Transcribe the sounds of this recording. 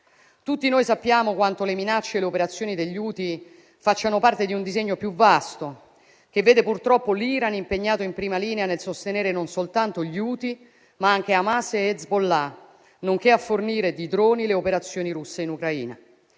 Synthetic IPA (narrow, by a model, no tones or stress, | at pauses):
t̪ut̪ːinoːjsapːjaːmokwant̪oleminat͡ʃːeleopeɾat̪sːjoːnid̪eʎːuːt̪i | fat͡ʃːanopart̪ed̪iund̪izeɲːopjuvːast̪o | k̟evːeːd̪epurt̪ɾɔpːoliːɾanimpeɲːaːt̪oimpɾiːmaliːneanelsost̪eneːɾenonsolt̪ant̪oʎuːt̪i | maaŋk̟eamaseezbolːa | noŋk̟eafːorniːɾed̪id̪ɾoːnileopeɾat̪sːjoːniɾusːeinukɾaḭːna̰